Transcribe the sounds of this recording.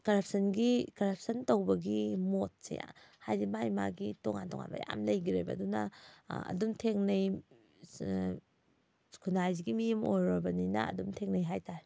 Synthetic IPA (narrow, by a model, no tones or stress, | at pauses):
kɐɾɐp̚ʰsɐnɡikɐɾɐp̚ʰsɐntowbɐɡimot̚sḛja̰hajɾimajmaɡitoŋantɔ̰ŋa̰nbɐ̰ja̰mlɐjɡiɾḛjbɐ̰dunɐɐ̰dumtʰeŋnɐj | kʰunajziɡimijɐmojɾobɐninɐ̰ːdumtʰeŋnɐjɦajtaɾ